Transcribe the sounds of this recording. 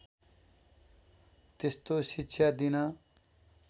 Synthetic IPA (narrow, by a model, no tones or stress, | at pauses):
t̪est̪oʃiɪtːʃʰad̪inaː